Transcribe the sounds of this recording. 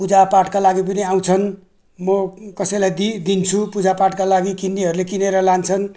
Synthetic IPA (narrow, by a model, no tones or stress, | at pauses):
pud͡zapaʈkalaɡip̬ʌniaw̃t͡sʰʌn | mʌkʌsʌjlajd̪id̪int͡sʰupud͡zapaʈkalaɡikinːiɦʌɾulekineɾʌlant͡sʰʌn